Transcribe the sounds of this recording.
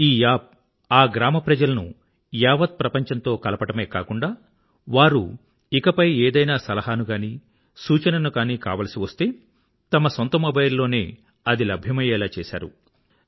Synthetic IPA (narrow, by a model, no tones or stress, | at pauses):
iːjaːp̚ | aːɡɾaːmɐpɾɐd͡ʒɐlɐnu | jaːʋɐt̪̚pɾɐpɐɲt͡ʃɐnt̪o̞ːkɐlɐpɐʈɐmeːka̰ːkuɳɖaː | ʋaːɾṵ | ikɐpɐjeːd̪ɐjnaːsɐlɐɦaːnuɡaːniː | suːt͡ʃɐnɐnukaːniːka̰ːʋɐlɐsiʋɐst̪e̞ː | t̪ɐmɐsɐnt̪ɐmɐbɐjɾlo̞ːne̞ː | ɐd̪ilɐbʱjɐmɐjɛːlaːt͡ʃɛːʃa̰ːɾṵ